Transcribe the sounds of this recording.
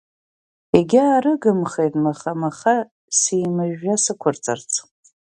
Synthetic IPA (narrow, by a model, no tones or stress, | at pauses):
eɡʲɪaɾɨɡɨmχejtʼmaχamaχa | siːmɨʒasɨkʷʰʊrt͡sʼa̰rt͡sʰʼ